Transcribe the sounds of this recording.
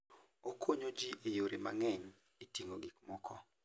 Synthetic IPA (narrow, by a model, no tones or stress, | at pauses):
okʰoɲod͡ʒiʔejoɾima̰ŋɛɲ | etiŋoɡikmɔkʰɔ